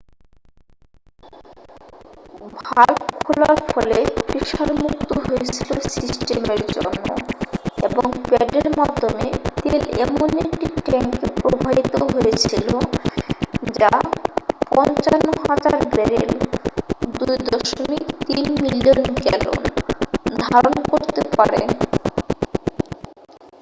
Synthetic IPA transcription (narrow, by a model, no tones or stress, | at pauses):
bʱalkʰolaɾfɔlepɾiʃaɾmuk̚t̪oɦojet͡ɕʰilosisʈemeɾd͡ʑo̰nːo̰eboŋpeɖeɾmad̪ʱːomet̪elɛmonekʈiʈɛŋkepɾobʱabit̪oɦoet͡ɕʰilo | d͡ʑa | pɔnt͡ɕanːoɦad͡ʑaɾbɛɾḛl | d̪ujd̪ɔʃomikt̪inmilionkɛlo̰nd̪ʱaɾonkoɾt̪epaɾe